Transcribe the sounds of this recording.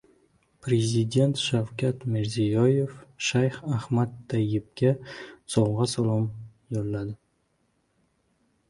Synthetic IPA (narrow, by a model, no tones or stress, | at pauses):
pʰɾe̞zid̪ʲe̞nt̪ʃawkʰʲat̪mɪɾzijɒje̞fʃajχahmat̪ːajːɪp̚kʲasɒwʁɑsalˠɒmjoɾlad̪ɪ